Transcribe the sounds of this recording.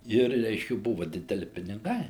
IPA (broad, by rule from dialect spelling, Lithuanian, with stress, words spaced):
ˈɪr ˈrʲɛɪʃʲkʲɛ ˈbʊʋɐ dʲɪdʲɛˈlʲɪ pʲɪnʲɪˈɡɐɪ